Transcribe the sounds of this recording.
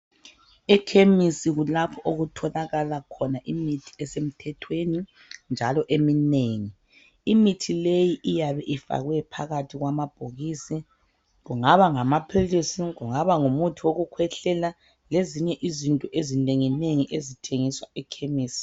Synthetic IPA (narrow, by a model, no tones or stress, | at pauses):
ɛkʰemisiɣulapʰɔʔoɣutʰɔlaɣalakʰɔnaʔimitʰi̥ɛsem̩tʰɛtʰweni | nd͡ʒʱalɔʔemineŋi | imitʰilejiʔijaβɛʔifa̰ɣwɛpʰa̰ɣatʰiɣwamab̥ʱoɣisi | ɣuŋaβaŋamapʰilisiɣuŋaβaŋumutʰiwoɣukʰwɛɬɛla | leziɲɛʔizintʼuʔezineŋineŋiʔezitʰeŋiswaɛkʰemiːsi̥